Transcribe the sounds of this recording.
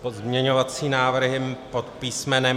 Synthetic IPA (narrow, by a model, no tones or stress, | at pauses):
pozmɲɛɲovat͡siːnaːvr̩ɦɪpot̪piːsmɛnɛ